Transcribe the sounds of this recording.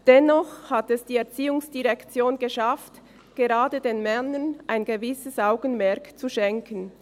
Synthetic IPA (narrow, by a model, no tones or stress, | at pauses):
d̥ɛnɔχhatɛsd̥iːɛɐt͡siːʊŋsd̥iʁɛkt͡sjoːnɡəʃaft | ɡ̥eʁaːdədeːnmɛnənʔaɪnɡəvɪsəsʔaʊɡən̩mɛɐkt͡suʃɛŋkən